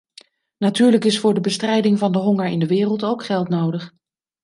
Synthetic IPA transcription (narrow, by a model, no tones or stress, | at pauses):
natyːɹləkɪsfʊːɹdəbəstrɛjdɪŋvɑndəɦɔŋəɹɪ̰ndəʋɪːrəlˠtowkχɛlˠtnowdəχ